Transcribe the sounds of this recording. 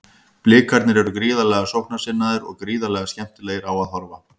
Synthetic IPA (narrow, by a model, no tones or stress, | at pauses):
plɪːkʰaɾt̪nɪɾɛɾʏkɾiːðalɛɣasowhknḁsɪnːaðɪɾɔɣkɾiːðalɛɣascɛm̥t̪ɪlɛːjɪɾawaðɦɔɾva